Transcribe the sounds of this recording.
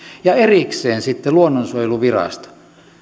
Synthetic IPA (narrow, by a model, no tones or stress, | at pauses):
jɑeriksˑeːnsit̪ːeluonːonsuoˑjluʋirɑ̰st̪o̥